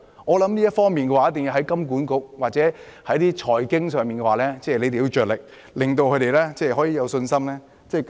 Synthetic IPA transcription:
ŋɔː˨˧lɐ˨˥mliː˥ɐ˥t̚fɔː˥ŋmiː˨nkɛ˧waː˨˦˥t̪e˨ŋji˧ɦɐ˨˥jkɐ˥mk̬uː˨˥nkʊ˨k̚waː˨˩t͡sɛː˨˥ | hɐ˨˥jt̪iː˥t͡ʃʰɔː˨˩jkɪ˥ŋsœː˨˩ŋmiː˨nkɛ˧waː˨˩lɛː˥t͡sɛː˥˩le˨˧jt̪e˨jt͡ʃœː˨t̚lɪ˨k̚ | lɪ˨ŋt̪o˧wkʰɵ˨˧ɥɾe˨jlɛː˥t͡sɛː˥˩ɦɔː˨˥jiː˨˧jɐ˨˧wsɵ˧nsɐ˥mlɛː˥ | t͡sɛː˥˩

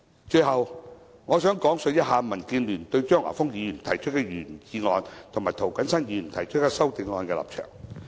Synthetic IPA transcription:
t͡ʃɵ˧ɥɦɐ˨w | ŋɔː˨˧sœː˨˥ŋkɔː˨˥ŋsɵ˧jɐ˥t̚ɦaː˧mɐ˨˩nkiː˧nlyː˨˩nt̪ɵ˧ɥt͡ʃœː˥ŋʔa̰˨˩fʊ˥ŋjiː˨˧jyː˨˩nt̪ʰɐ˨˩jt͡ʃʰt̚kɛː˧jyː˨˩nt͡ɕiː˨˧ŋɔː˨˧nt̪ʰʊ˨˩ŋmaː˨˩jt̪ʰo˨˩wkɐ˨˥nsɐ˥njiː˨˧jy˨˩nt̪ʰɐ˨˩jt͡ʃʰɵ˥t̚kaː˧sɐ˥wt̪ɪ˨˧ŋŋɔː˨˧nkɛː˧la̰ː˨p̚t͡ʃʰœ̰ː˨˩ŋ

